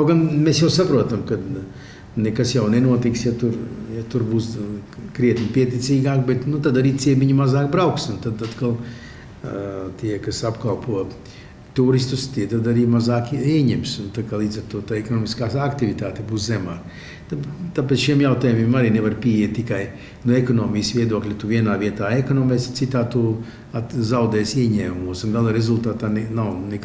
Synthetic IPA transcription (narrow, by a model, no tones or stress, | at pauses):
aɡanmesjaʊsapɾuɔt̪amkad̪ | nekasjawnenuɔt̪iksjat̪uɾjat̪uɾbuːskɾiɛt̪nʲipiɛt̪ʲisiːɡaːkbet̪nut̪ad̪aɾiːsʲiɛpviɲumazaːkbɾaʊksunt̪ad̪at̪kalˠ | t̪iɛkasapkalpuɔ | t̪uːɾist̪ust̪iɛt̪ad̪aɾiːmazaːkiɛɲɛmsunt̪aːkaːlˠiːd̪zaɾt̪uɔt̪aːekɔnɔːmiskaːsakt̪iʋʲit̪aːt̪ɛbuːszɛmaː | t̪at̪ap̬eːt̪sʃiɛmjawt̪aːjumʲimaɾiːneʋaɾpʲiːjiɛt̪̚ʲt̪ːikaj | nuekɔnɔːmisʋiɛd̪uɔklʲat̪uʋiɛnaːʋiɛt̪aːekɔnɔːmɛssit̪aːt̪uː | azawd̪ɛːsiɛɲɛːmumuɔsunɡalˠaɾezulˠt̪aːt̪aːnɛnawnek